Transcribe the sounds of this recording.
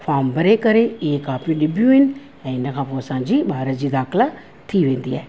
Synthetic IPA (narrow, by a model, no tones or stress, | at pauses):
pʰaːmbəɾekəɾeeːkaːpĩɖɪbjuːɪn | ɛ̃ːɪnakʰãːpoːsãːd͡ʒiːbaːɾət̪d͡ʒiːd̪aːkʰla | t̪ʰiːʋẽːnd̪iːɛː